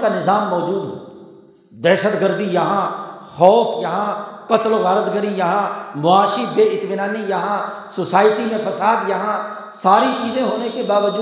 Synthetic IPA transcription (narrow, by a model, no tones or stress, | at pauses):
kanɪzaːmːɔːd͡ʒuːd̪ɦɛː | d̪ɛːʃət̪ɡəɾd̪ijɐɦãxɔːfʰjɐɦãkɐt̪lɣɐɾət̪ɡəɾijɐɦãmʊaːʃibeːɪt̪minaːnijɐɦãsʊsaːɪʈimẽpʰɐsaːd̪jɐɦã | saːɾit͡ʃiːzẽɦoːnekebaːʋəd͡ʒuː